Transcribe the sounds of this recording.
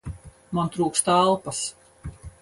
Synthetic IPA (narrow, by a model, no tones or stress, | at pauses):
mant̪ɾuːkst̪alˠpɐs